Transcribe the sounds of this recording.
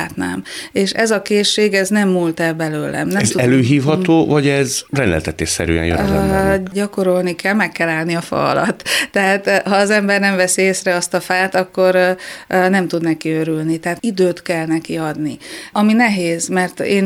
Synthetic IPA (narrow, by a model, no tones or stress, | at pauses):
aːt̪na̰ːmeːʃɛzɒkeːʃːeːɡɛznɛmːult̪ɛlbɛløːlɛ̰mnɛmzuɛløːɦiːfhɒt̪oːvɒɟɛzrɛnd̪ɛ̰lt̪ɛt̪ḛːʃsɛ̰ɾy̰ɛ̰njø̰ɟɒko̞ɾo̞lnikɛlmɛkːɛlaːlniɒfɒ̰ɒ̰lɒ̰t̪ːɛɦaːt̪hɒːzɛmbɛrnɛɱvɛsieːsrɛɒst̪ɒfaːt̪ɒkːo̞r | nɛmt̪ud̪nɛkiøɾylnit̪ɛɦat̪id̪øːt̪kɛlnɛkiɒd̪niɒminɛɦeːzmɛrt̪eːn